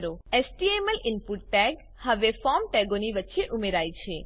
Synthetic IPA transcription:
ɾoesʈieməlɪnpuʈʈɛɡ | həʋefɔmʈɛɡoniʋətːʃeʔʊmeɾaːjt͡ʃʰe

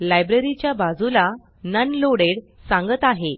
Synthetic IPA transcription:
lajbɾəɾit͡ɕjabad͡zula | nənloɽeɽsãŋɡət̪aɦe

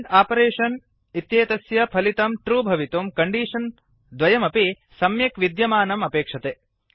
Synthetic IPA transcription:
ɖaːpɐɾeːʂɐn | it̪jeːt̪ɐsjɐpʰɐlit̪ɐmʈɾuːbʱɐʋit̪umkɐɳɖiːʂɐn | d̪ʋɐjɐmɐpi | sɐmjɐkʋid̪jɐmaːnɐmɐpeːkʂɐt̪e

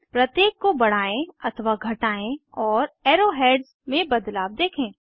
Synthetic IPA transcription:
pɾɐt̪jeːkːobɐɽ̤aːẽɐt̪ʰəʋaɡʱɐʈaːẽɔːɾeːɾoɦeːɖz | mẽbɐd̪laːʋd̪eːkʰẽː

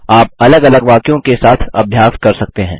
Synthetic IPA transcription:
aːp̚ɐləɡɐləɡʋaːkjõkesaːt̪ʰɐ̰bʱjaːskɐɾsɐk̚t̪eɦɛ̰̃ː

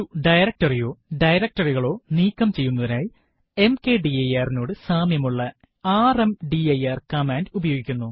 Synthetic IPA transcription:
uɖɐjɾɐk̚tɐrijo̞ːɖɐjɾɐk̚ʈɐriɣɐɭo̞ːniːkːɐmt͡ɕe̞jːunːɐðinaːji | e̞mke̞ːɖiɐjaːrino̞ːɽɨsaːmjɐmuɭːɐ | aːremɖiɐjaːrkɐmaːndubɐjo̞ːɡikʲːunːu

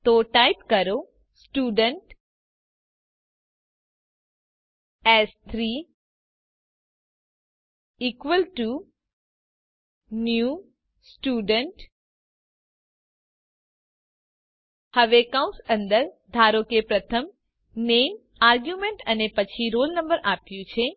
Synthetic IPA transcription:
t̪oːʈaːɪp̚kɐɾo | sʈuːɖəɳʈ | ɛːst̪ʰɾiː | iːkʋəlʈu | njuː | sʈuɖəɳʈ | həʋekãw̃sənd̪əɾd̪ʱaɾokepɾət̪ʰəm | nem | aɾɡjumẽɳʈənepət͡ʃʰiɾolnəmbəɾʔapjũt͡ʃʰe

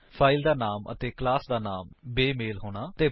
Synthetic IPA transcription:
pʰaːɪld̪aːnaːmə̰t̪eːklaːsd̪aːnaːmbeːmeːlɦoːɽ̃aːt̪eː

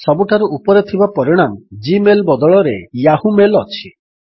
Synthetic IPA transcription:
sɔbuʈʰaɾuʔupɔɾet̪ʰibapɔɾiɽ̃amd͡ʒimelbɔd̪ɔɭɔɾejaɦumelɔt͡ʃʰi

